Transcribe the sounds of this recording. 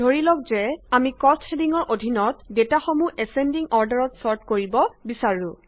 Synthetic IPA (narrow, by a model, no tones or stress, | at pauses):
dʱoɹilɔk̚zɛamikɔstxediŋɔɹʔodʱinɔtdetaxomuʔɛsɛndiŋɔɹdaɹɔtsɔɹtkoɹibɔbisaɹũ